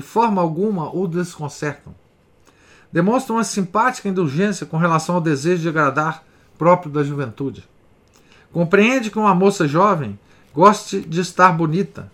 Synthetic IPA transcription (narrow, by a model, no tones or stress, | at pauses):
ɪfɔɾmɐawɡũmɐʔowd̪eskõsɛɾt̪ɐ̰̃w̃ | d̪emõst̪ɾɐ̃ũmɐsĩmpat͡ʃi̥kɐĩnd̪uʒẽsiɐkõɦelasɐ̃w̃awd̪ezeʒʊd͡ʒɪaɡɾad̪aɾ | pɾɔpɾijʊd̪ɐʒuvẽnt̪ud͡ʒɪ | kõmpɾiẽnd͡ʒɪkɪũmɐmosɐʒɔvẽj̃ | ɡɔst͡ʃɪd͡ʒɪːst̪aɾbonit̪ɐ̰